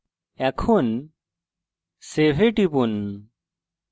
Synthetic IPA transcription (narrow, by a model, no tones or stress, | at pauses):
ɛkʰun | sebʱeʈibun